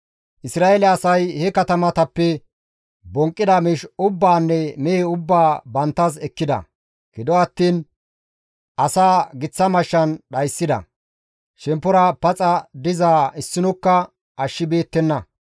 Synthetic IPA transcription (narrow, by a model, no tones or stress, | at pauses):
ʔɪsɾaːelɛɐsɐjhɛkɐt̪ɐmɐt̪ɐpːɛ | bɔŋkʼːɪd̪ɐmɪʃʊbːaːnːɛmeeʊbːaːbɐnt̪ːɐs̬ɛkːɪd̪ɐ̰ | ɡ̥ɪd̪ɔɐt̪ːiːn | ʔɐsaːɡɪt͡sːɐmɐʃːɐnɗɐjsːɪd̪ɐ̰ | ʃɛmpːʊɾɐpɐt͡sʼɐd̪ɪzaːɪsːɪnɔkːɐ | ʔɐʃːɪbe̞ːt̪ːɛnːɐ